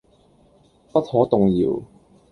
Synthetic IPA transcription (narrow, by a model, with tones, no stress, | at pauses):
pɐ˥t̚hɔː˨˥t̪ʊ˨ŋjḭː˨w